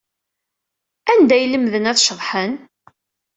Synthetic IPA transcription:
ænd̪æjləmːðənæθʃəðˤħən

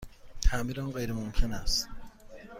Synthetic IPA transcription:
t̪ʰæmiːɾanɢejɾemomcʰenæst̪̚

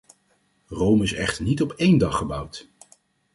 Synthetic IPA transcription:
rowmɪsɛ̰χtəɹnitɔpejndɑχəbʌwt

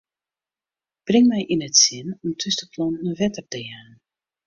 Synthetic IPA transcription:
b̥rɪŋmɛjʔinətsɪnɔmtʰystəpʰlɔnːəʋɛtər̚təjan

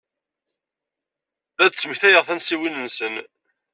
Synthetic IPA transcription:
ðæd̪t͡sːəmçθæjəʁθænsiwinənsən

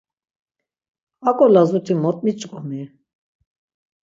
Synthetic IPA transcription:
akʼɔlazut̪ʰimɔt̪ʼmit͡ʃʼkʼɔni

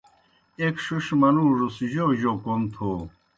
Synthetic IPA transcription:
ekʂuʂmɐnuːʐusʑoʑokont̪ʰo

